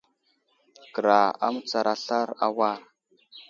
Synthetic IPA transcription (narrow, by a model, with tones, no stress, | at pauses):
kə˨ɾa˨a̰˦m˦t͡sa˨ɾʔa˨ɬa˦ɾa̰˦wa˦˨ɾ